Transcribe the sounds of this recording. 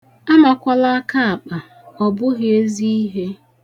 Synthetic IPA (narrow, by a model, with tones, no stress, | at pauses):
a˦ma˨kʷa˦la˦ka˦a˨k͡pa˨ | ɔ˨bʊ˦ɦe˨e˦zi˦i˦ɦe˦